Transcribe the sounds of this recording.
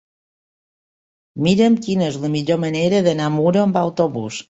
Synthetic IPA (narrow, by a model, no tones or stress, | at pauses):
miɾəmkinezləmiʎoməneɾəðənamuɾoəmbawt̪oβṵs